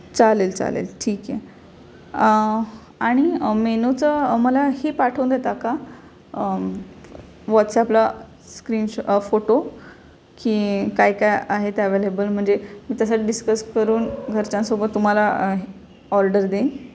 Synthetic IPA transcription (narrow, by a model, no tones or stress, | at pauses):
t͡salelt͡sa̰lḛlʈʰiːkjɛ | aɽ̃imenot͡səməlahepaʈʰəw̃nd̪et̪aka | ʋɔt̪sɛapla | skɾiːnɕfoʈo | kiːkajkajaɦet̪əʋelebəlm̤əɳd͡zemiːt̪əsaɖiskəskəɾuːnɡʱəɾt͡ɕãnsobət̪ːum̤ala | ɔɾɖəɾd̪en